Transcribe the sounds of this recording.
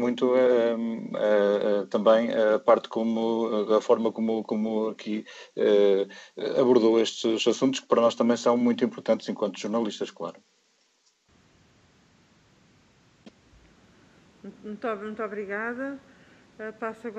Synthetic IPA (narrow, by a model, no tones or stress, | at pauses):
mũj̃t̪uɛɛt̪ɐ̃mbɐ̃j̃ɛɐpaɾt̪komuɐfɔɾmɐkomukomuɐkʰiɛ̰ | ɐβuɾðoeʃt̪ɨzɐsũnt̪u̥ʃkɨ̥pɐɾɐnɔʃt̪ɐ̃mbɐ̃j̃sɐ̃w̃mũj̃t̪uĩmpʊɾt̪ɐ̃nt̪z̥ẽŋkwɐ̃nt̪uʒuɾnɐlˠiʃt̪ɐʃklˠa̰ɾʊ | mũt̪mũj̃t̪ɔβɾiɣaðɐ | ɛpasɐɣ